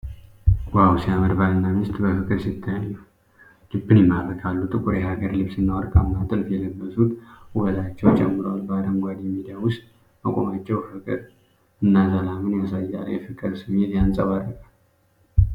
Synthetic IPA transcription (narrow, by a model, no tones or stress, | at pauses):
wawsijaməɾbalənːamɪst̪ʼbəfɨkʼɨɾsɨt̪ʰːajɲːəw | lɨbːɨnjɛmːaβəkʼalːut̪ʼɨkʼuɾjɛhaɡəɾlɨβsɨnːawɔɾkʼamːat̪ʼɨlfjɛləɡːəsut̪əlat͡ʃːɛwt͡ʃʼɛmːɨɾoalbad̪əmɡʷad̪mid̪ijawʊst̪ʼ | əkʼo̞mat͡ʃːɛwfɨkʼɨɾ | ɨnːazalamɨnjasajːa̰jɛfɨkʼːɨɾsɨmet̪jansʼaβarːəkʼal